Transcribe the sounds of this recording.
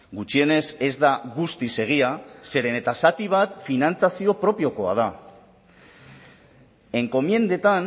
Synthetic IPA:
ɡut͡ʃie̞ne̞se̞zd̪aɣust̪ise̞ɣ̞iase̞ɾe̞ne̞t̪asat̪iβ̞at̪finant͡sasio̞pɾo̞pio̞ko̞a̰ð̞a | e̞ŋko̞mie̞nd̪e̞t̪an

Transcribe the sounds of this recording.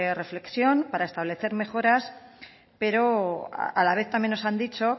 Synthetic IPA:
re̞fle̞ksjo̞npaɾaest̪aβ̞le̞θe̞ɾme̞xo̞ɾas | pe̞ɾo̞̰alaβ̞e̞θt̪amje̞nːosand̪it͡ʃo̞

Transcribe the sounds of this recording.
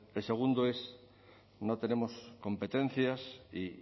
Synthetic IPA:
elseɣ̞und̪oes | not̪enemoskompet̪ẽn̟θjasi

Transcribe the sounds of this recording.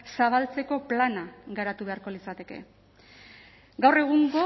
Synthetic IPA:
saβ̞alt͡se̞ko̞planaɣaɾat̪uβe̞aɾko̞lisat̪e̞ke̞̰ | ɡawre̞ɣ̞uŋɡo

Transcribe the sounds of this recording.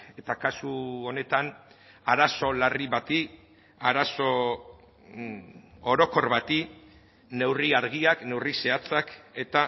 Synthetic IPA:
e̞t̪akasuone̞t̪an | aɾaso̞lariβat̪i | aɾaso̞ | oɾo̞ko̞rβat̪i | ne̞wriaɾɣiakne̞wrise̞at͡sake̞t̪a

